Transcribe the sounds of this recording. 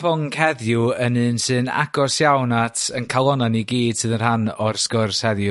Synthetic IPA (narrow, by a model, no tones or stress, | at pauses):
vɔŋkʰɛðjuənɨːnsɨna̰ɡɔsjawnatʰənkʰalˠɔnaniɡiːd̥sɨðənhanɔrskɔrshɛðjʊ